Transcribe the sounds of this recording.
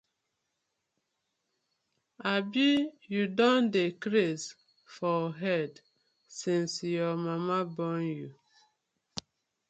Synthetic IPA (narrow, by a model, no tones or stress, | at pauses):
abijudɔ̃ndekɾes | fɔɦɛd | sĩnsjɔmamabɔnju